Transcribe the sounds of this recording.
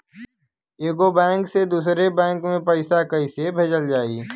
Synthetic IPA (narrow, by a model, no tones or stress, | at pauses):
eːɡobɛ̃ːŋksed̪uːsɾebɛ̃ːŋkmẽpɐɪsakɐisebʱeːd͡ʒəld͡ʒaːḭː